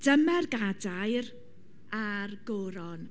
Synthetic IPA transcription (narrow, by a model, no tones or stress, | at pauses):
d̥əmɛrɡadajr | arɡoːɾɔn